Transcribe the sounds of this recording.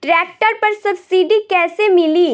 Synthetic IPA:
ʈɾɛːk̚ʈəɾpɐɾsɐbsiːɖikɛːsemɪliː

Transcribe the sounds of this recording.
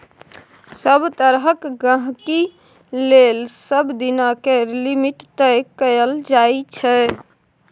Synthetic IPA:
səbt̪əɾɦəkɡə̃ɦki | lelsəbd̪inakelimiʈt̪əkəjəld͡ʒajt͡ʃʰɛ

